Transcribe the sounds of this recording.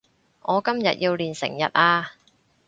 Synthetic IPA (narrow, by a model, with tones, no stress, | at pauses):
ŋɔː˨˧kɐ˥mjɐ̰˨t̚jiː˧wliː˨nsɪ̰˨˩ŋjɐ˨t̚aː˧